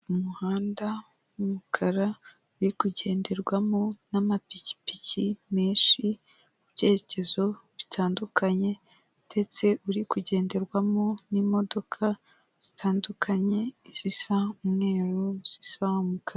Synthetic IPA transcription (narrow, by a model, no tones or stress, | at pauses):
umuhaːnda | umukʰaɾa | uɾikuɟe̞ːnde̞ɾɡwamonamapici̥picime̞ːʃi | ubɟe̞ːɾece̞zo̞βitʰaːndukʰaɲe̞ | d̥e̞t͡se̞ʔuɾikuɟe̞ːnde̞ɾɡwamo̞nimo̞do̞kʰa | z̥itʰaːndukʰaɲe̞iz̥isaumŋe̞ːɾoz̥isaumukʰaɾa